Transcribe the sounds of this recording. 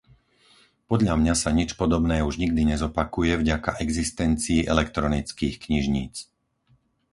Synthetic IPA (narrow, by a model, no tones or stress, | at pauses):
pɔd̪ʎamɲasaɲit͡ʃpɔd̪ɔbnɛːuʒɲiɡd̪iɲɛzɔpakujɛvɟakaʔɛɡzist̪ɛnt͡siːʔɛlɛkt̪ɾɔnit͡skiːxkɲiʒɲḭːt͡s